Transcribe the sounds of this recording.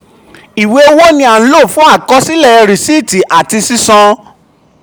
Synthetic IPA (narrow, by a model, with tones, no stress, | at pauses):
i˨we˨˦o˦wo˦nĩ˧a˨n̩˦lo˦˨fũ˦a˦˨kɔ˦si˦lɛ˦˨ɛ˧ɾi˨si˦˨ti˨ʔa˨ti˧si˦sɔ̃˧